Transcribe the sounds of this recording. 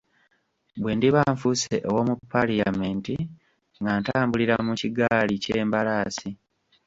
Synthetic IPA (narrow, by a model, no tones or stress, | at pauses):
bwe̞ːndiβaːɱfuseʔowomupːalijame̞ːnti | ŋɡaːntaːmbuliɾamuciɡaːlice̞ːmbalaːsi